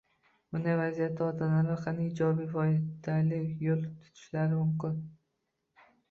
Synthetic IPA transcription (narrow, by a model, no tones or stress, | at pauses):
bʊnavazijat̪ʰːaɒt̪ʰanaɾaqʰanɪd͡ʒɒbijfɒd̪alɪkjolˠt̪ʰʊ̥t̪ʰɪ̥ʃlaɾɪmʊmkʲɪn